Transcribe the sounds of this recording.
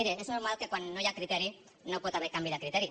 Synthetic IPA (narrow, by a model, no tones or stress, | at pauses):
ɾeeznoɾmalke̞kwanːojakɾit̪eɾi | nopwet̪aβeɾkambiðekɾit̪eɾi